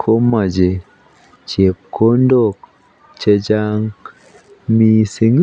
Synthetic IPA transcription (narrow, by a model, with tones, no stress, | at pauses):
kʰo˦ma˨d͡ʒe˨ | t͡ʃe˨kːo˦ndo˦˨k | t͡ʃe˨d͡ʒa˦ŋ | mi˨se˨ŋ